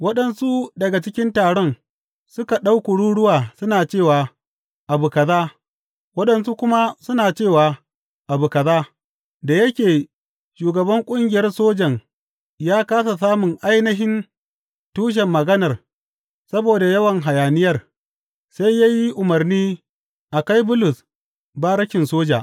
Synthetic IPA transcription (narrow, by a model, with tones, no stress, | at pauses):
wɐ˦ɗɐ˨nsu˦dɐ˨ɡa˨t͡ʃɪ˦kʲɪ˦ntaː˨ɽɔ˦n | sʊ˦ka˨ɗa˦wkʊ˨ɽuː˦ɽʊ˦waː˨sʊ˦naː˨t͡ʃeː˦˨waː˨ | ʔa˨bu˨kɐ˨zaː˦ | wɐ˦ɗɐ˨nsu˦kʷʊ˦ma˦sʊ˦naː˨t͡ʃeː˦˨waː˨ | ʔa˨bu˨kɐ˨zaː˦ | da˨jɐ˦kʲeː˨ | ʃuː˨ɡɐ˨bɐ˦ŋkʷʼʊ˦ŋɡʲɪ˨jɐ˦rsoː˦d͡ʒɐ˨ŋ | jaː˦kaː˦sa˨s̬aː˦mʊ˨ŋʔa˦jnɐ˦ɦɪ˦n | tuː˦ʃ̬ɛ˨mːɐ˨ɡɐ˦nɐ˨r | sɐ˦boː˨da˨jɐ˦wɐ˨ŋɦa˨jaː˨nɪ˦jɐ˦r | sa˦jja˦ji˦ʔʊ˨mɐ˨rniː˦ | ʔa˨ka˦jbʊ˦lʊ˨s | ba˦ɾɐ˦ʃɪ˨nsoː˦d͡ʒa̰ː˨ʔ